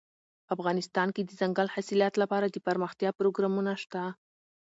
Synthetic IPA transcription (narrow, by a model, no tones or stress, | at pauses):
afɣɑnɪst̪ɑnked̪əzaŋɡalhasiljɑt̪lapɑɾad̪əpaɾməxt̪jɑpɾoɡɾɑmunaʃt̪a